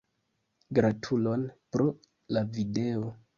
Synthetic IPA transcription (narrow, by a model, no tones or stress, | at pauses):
ɡɾatʰulo̞npɾo̞ | lavide̞o̞